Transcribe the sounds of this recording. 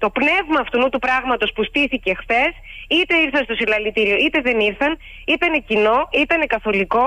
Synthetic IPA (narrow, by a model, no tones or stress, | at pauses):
t̪o̞pne̞vmɐːft̪unut̪upɾɐɣmɐt̪o̞spust̪iθice̞xθe̞sit̪e̞iɾθɐnst̪o̞silɐlit̪iɾio̞it̪e̞ðe̞niɾθɐn | ip̪enecino̞it̪ɐne̞kɐθo̞liko̞